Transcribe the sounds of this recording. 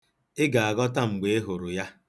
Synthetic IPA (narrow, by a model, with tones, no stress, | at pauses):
ɪ˦ɡa˨a˨ɡɔ˦ta˦ŋ͡m̩˨ɡ͡be˦e˦ɦo˨ɾʊ˨ja˦